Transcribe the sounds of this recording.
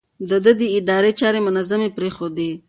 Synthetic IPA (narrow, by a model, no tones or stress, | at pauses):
d̪əd̪əd̪əɪd̪ɑɾet͡ʃɑɾemʊnazamepɾexod̪e